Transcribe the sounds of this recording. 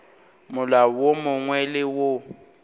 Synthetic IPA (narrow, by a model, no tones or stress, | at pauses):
mʊlawomʊŋwɛlɪwo